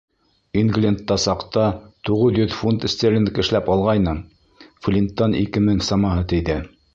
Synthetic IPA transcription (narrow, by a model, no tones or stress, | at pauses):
inɡlʲent̪ːɑsɑqt̪ɑt̪uʁɤðjɵðfunt̪ɘ̆sʲt̪ʲelʲɘnkɘ̆ʃlæpɑlˠʁɑjnɤ | flʲint̪ːɑnikɘmɘŋsɑmɑɦɤt̪ɘ̆jðɘ